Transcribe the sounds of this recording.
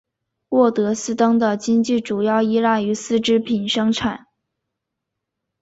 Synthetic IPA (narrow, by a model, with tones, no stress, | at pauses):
wɔ˥˩t̪ɤ˧˥sɹ̩˥t̪ɤ˥ŋd̪ə˨t͡ɕi˥ŋt͡ɕi˥˩ʈ͡ʂu˨˩jɑ˥˩ʊi˥la˥˩y˧˥sɹ̩˥˩ʈ͡ʂɻ̩˥pʰi˨˩nʂɤ˥ŋʈ͡ʂʰa˨˩˦n